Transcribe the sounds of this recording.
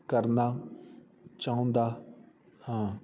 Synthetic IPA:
kəɾnaː | t͡ʃaːʊ̃nd̪aː | hãː

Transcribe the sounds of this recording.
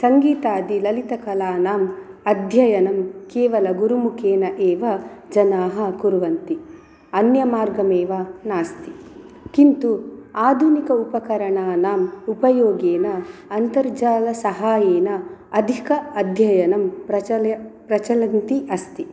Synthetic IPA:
sɐŋɡiːt̪aːd̪ilɐlit̪ɐkɐlaːnaːm | ɐd̪ʱjɐjɐnɐmkeːʋɐlɐɡuɾumukʰeːnɐʔeːʋɐd͡ʒɐnaːɦɐ̆kuɾʋɐnt̪i | ɐnjɐmaːɾɡɐmeːʋɐnaːst̪i̥ | kint̪uaːd̪ʱunikɐupɐkɐɾɐɳaːnaːmupɐjoːɡeːnɐːnt̪ɐɾd͡ʒaːlɐsɐɦaːjeːnɐɐd̪ʱikɐɐd̪ʱjɐjɐnɐmpɾɐt͡ʃɐpɾɐt͡ʃɐlɐnt̪iʔɐst̪i

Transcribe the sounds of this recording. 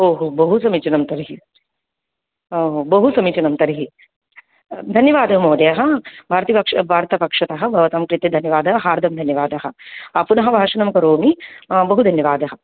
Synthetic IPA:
oːɦubɐɦusɐmit͡ʃɐnɐmt̪ɐɾiɦi | oːɦobɐɦusɐmit͡ʃunɐmt̪ɐɾiɦi | d̪ʱɐnjɐʋaːd̪ɐɦɐmoːd̪ɐjɐɦɐ̆bʱaːɾɐt̪ipɐkʂɐbʱaːɾt̪ɐpɐkʂɐt̪ɐɦɐ̆bʱɐʋɐt̪ɐmkɾit̪ed̪ʱɐnjɐʋaːd̪ɐɦɐɦaːɾd̪ʱɐmd̪ʱɐnjɐʋaːd̪ɐɦɐ̆ɐpunɐɦɐbʱaːʂɐnɐmɐkɐɾoːmibɐɦud̪ʱɐnjɐʋaːd̪ɐɦɐ

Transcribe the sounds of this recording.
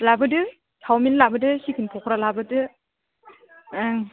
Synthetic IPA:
labɯdɯ | tʰawminlabɯdɯsikʰɯnpʰɔkʰɾalabɯdɯ | ŋ

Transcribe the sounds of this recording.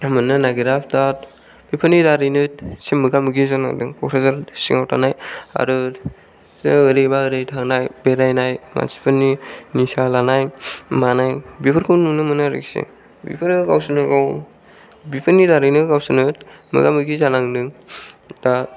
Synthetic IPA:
amɯnːɯnaɡiɾapʰdat̚ | bipʰɯnidaɾɯjnɯt̚semɯɡamɯɡizana̰ŋdɯŋkɔkɾazaɾsiŋawtʰanaja̰ɾɯ | zɯɾejbaɯɾejtʰaŋnajbeɾajnajma̰si̥pʰɯninisalanajmanajbipʰɯɾkʰɯwnunɯmɯnaɾɯ̰ksḭ | bḭpʰɯɾɯɡawsɯnɯɡaw | bipʰɯnidaɾɯnɯɡawsɯnɯt̚mɯ̰ɡamɯɡizanaŋdɯŋdat

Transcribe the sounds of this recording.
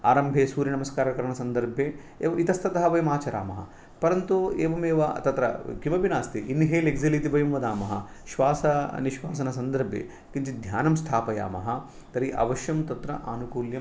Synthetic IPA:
aːɾɐmbʱeːsuːɾjɐnɐmɐskaːɾɐkɐɾɐɳɐsɐnd̪ɐɾbʱjeː | eːʋɐit̪ɐst̪ʰɐt̪ɐɦɐʋɐjɐmaːt͡ʃɐɾa̰ːmɐɦɐ̰ | pɐɾɐnt̪ueːʋɐmeːʋɐ̰t̪ɐt̪ɾɐ̰kimɐbinaːst̪iʔinːiɦeːleɡzɐlit̪ibɐjɐmʋɐd̪aːmɐɦɐ̰ʃʋaːsɐ̰niʃʋaːs̬ɐnɐsɐnd̪ɐɾbʱjḛː | kint͡ʃid̪ʱjaːnɐmst̪ʰaːpɐja̰ːmɐ̰ɦɐ | t̪ɐɾiʔɐ̰ʋɐʃjɐmt̪ɐt̪ɾɐ̰ʔaːnukuːljɐm

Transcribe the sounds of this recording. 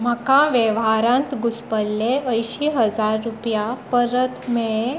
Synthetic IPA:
m̤əkãʋjeʋɦaɾãnt̪ɡuspəlːeəjɕiɦəd͡zaɾːupjapəɾət̪meɭe

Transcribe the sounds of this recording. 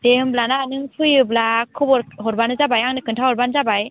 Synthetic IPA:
dehɯmblananɯŋpʰɯjɯblakʰɯbɔɾɦɔɾbanɯzabajaŋnɯkʰɯntʰahɔɾbanzabaj

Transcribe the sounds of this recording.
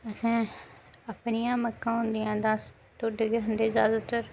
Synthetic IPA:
əsãː | əpnɪjãːməkːãːɦʊ̃nd̪ɪjãːd̪aːs | t̪oːɖeɡeɦənd̪eːzjaːd̪ʊt̪əɾ

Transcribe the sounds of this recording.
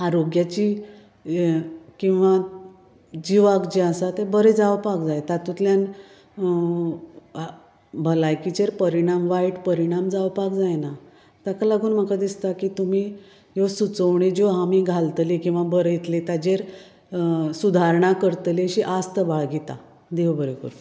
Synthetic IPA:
aɾoɡjat͡ɕi | kĩw̃ʋa | d͡ʑiʋaɡd͡ʑiasat̪ebəɾed͡zawpakd͡zajt̪at̪ut̪ljan | bʱəlajkit͡ɕeɾpəɾiɽ̃amʋajʈpəɾiɽ̃amd͡zaʋpakd͡zajna | t̪akalaɡuːnm̤əkad̪ist̪akit̪um̤iː | josut͡səʋɳ̃id͡ʑoɦamiɡʱalt̪likĩw̃ʋabəɾəjit̪let̪ad͡ʑeɾ | sud̪ʱaɾɳakəɾt̪leɕiʔast̪əbaɭɡit̪a | d̪iʋbəɾekṵɾ

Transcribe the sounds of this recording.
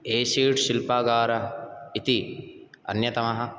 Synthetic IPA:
eːʃiːʈʃɪlpaːɡaːɾɐit̪i | ɐ̰njɐt̪ɐmɐɦɐ

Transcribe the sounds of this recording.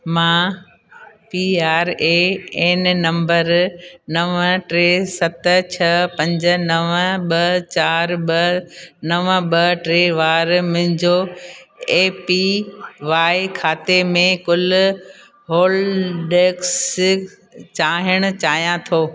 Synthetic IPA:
mãː | piːaːɾeeːnnɐ̃mbəɾnɐʋʈɾeːsɐt̪t͡ɕʰɐpɐ̃ɲd͡ʑ̆nɐʋɓɐt͡ɕaːɾɓɐnɐʋəɓɐʈɾeːʋaːɾmʊ̃ɦɪ̃ɲd͡ʑo | eːpiʋaːɪkʰaːt̪emẽkʊl | ɦoːlɖeːks | t͡ɕaːɦəɽ̃ʊ̆t͡ɕaːɦijãt̪ʰoː

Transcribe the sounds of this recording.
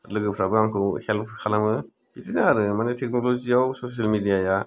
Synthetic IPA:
lɯɡɯpʰɾabɯaŋkʰɯwhelpʰkʰalamɯ | bitinaɾɯmanetʰek̚nɔlod͡ʒiawsosalmidijaja

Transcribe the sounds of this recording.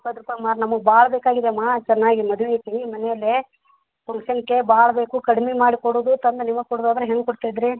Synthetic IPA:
pɐd̪ɾupːɐmaːɾnɐmɐɡbaːɭɐbeːkaːɡid̪emːaːt͡ʃɛnːaːɡimɐd̪uʋet̪imɐnɛjɐlːe | pɐŋkʃɐnkːebaːɭɐbeːkukɐɽmemaːɽikoɽoːd̪ut̪ɐnd̪enimːɐɡkoɽod̪aːd̪ɐɾɐɦeŋɡkoɽt̪aːjid̪ɾi

